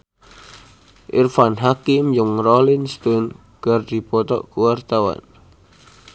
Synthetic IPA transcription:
ʔḭrfanɦakɪmjʊŋrɔlɪnst̪ɔn | ɡ̥ərd̪̥i̤pɔt̪ɔ̰ʔkuwart̪awa̰n

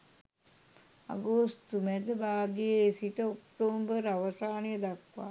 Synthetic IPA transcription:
a̰ɡost̪umɛd̪əbaːɡijeesiʈəokʈoːmbəɾaʋəsaːnejəd̪akʋa̰ː

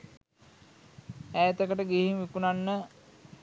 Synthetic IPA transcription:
æːet̪əkəʈəɡiɦimʋikunanːə

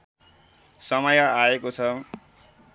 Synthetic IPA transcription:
sʌmʌjʌaekot͡sʰʌ

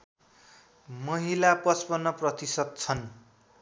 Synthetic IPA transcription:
mʌɦilapʌspʌnːʌprʌt̪isʌd̪̚t͡sʰʌn

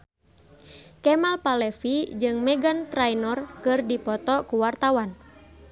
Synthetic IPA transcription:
kɛmalpalɛfid͡ʒɨŋmɛɡant̪ɾajnɔrkɨrdipɔt̪ɔkuwart̪awan

